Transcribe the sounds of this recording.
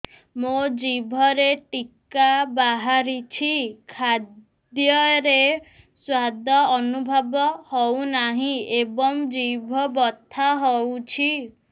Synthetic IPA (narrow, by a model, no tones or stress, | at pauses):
mod͡ʒibʱɔɾeʈikabaɦaɾit͡ʃʰikʰad̪ | jɔɾe | swad̪ʱɔːnubʱɔbɔhɔwnaɦĩebɔŋd͡ʒibʱɔbɔt̪ʰaɦɔwt͡ʃʰi